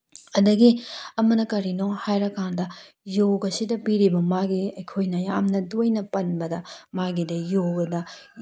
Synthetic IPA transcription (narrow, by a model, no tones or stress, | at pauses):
ɐdɐɡiɐmɐnɐkɐɾinoŋhajɾɐkʰːandɐ | joɡɐsidɐpiɾibɐmaɡiɐjkʰojnɐjamnɐdojnɐpɐnbɐdɐmaɡidɐjoɡɐdɐ